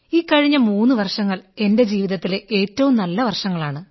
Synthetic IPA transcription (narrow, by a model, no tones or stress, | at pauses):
iːkːɐɻiɲːɐmuːnːuʋɐrʂɐŋːɐɭe̞nde̞d͡ʑiːʋiðɐt̪ːileʔe̞ːtːɐʋumnɐlːɐʋɐrʂɐŋːɐɭaːɳɨ